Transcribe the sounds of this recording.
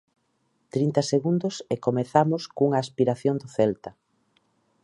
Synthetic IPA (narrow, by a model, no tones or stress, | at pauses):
t̪ɾint̪ɐseɣund̪ʊsekomeθamʊskuŋɐaːspiɾaθjoŋd̪oθɛlt̪ɐ